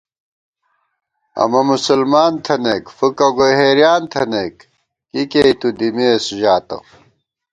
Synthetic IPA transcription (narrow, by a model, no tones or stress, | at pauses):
ɐ̰mɐmusulmaːnt̪ʰɐnekfukɐɡoɦeːɾijaːnt̪ʰɐnekː | kikeit̪ud̪imeːsʑaːt̪ɐ̰